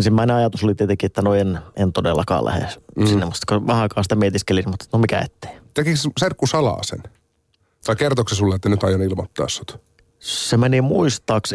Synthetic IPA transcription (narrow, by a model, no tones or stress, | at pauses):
nsimːæineɑjɑt̪usolit̪iet̪eŋkiet̪ːænoenent̪odelːɑ̰kɑ̰ːlʔæ̰hḛsinːemutt̪koʋɑhɑkɑːnsi̥t̪æmiet̪iskelinmut̪ːe̥t̪nomikæ̰ḛt̪ːe̥ːt̪ekiksserkːusɑlɑ̰ːsḛn | t̪ɑikert̪oksisulːeet̪ːænyt̪ɑjɑnilmot̪ːɑ̰ːsːu̥t̪ | semænimuist̪ɑːks